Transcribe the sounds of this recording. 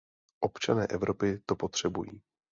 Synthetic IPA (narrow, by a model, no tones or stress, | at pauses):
ʔo̞pt͡ʃanɛːʔɛvɾʔo̞pɪt̪o̞po̞t̪r̝̥ɛbujḭː